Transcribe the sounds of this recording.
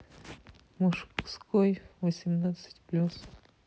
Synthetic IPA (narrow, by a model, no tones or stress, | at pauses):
muʃkskojvosʲimnat̪sɨ̥tʲplʲus